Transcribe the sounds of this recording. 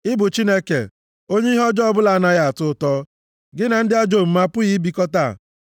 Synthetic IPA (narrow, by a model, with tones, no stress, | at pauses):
ɪ˦bʊ˨t͡ʃi˦ne˦kḛ˨ | o˦ɲe˦ɦɔ˦d͡ʒɔ˦bʊ˦la˨a˨na˨ja˨a˨tʊ˦tɔː˦ | ɡɪ˦na˨n̩˦dɪ˦a˦d͡ʒo˦˨m̩˨ma˦pʊ˦ji˦bi˦kɔ˦ta̰˦˨